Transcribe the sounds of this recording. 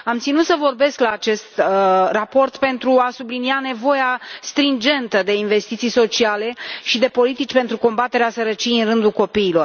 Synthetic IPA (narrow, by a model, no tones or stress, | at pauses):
amt̪sinut̪səvo̞rbe̞sklaːt͡ʃe̞st̪rapo̞rt̪pe̞nt̪ɾuasubliniane̞vo̞jast̪ɾind͡ʒe̞nt̪əd̪e̞inve̞st̪it̪sijso̞t͡ʃiale̞ʃid̪e̞po̞lit̪it͡ʃpe̞nt̪ɾuko̞mbat̪e̞ɾeasəɾət͡ʃijeɨnrɨnd̪ulko̞piːlo̞r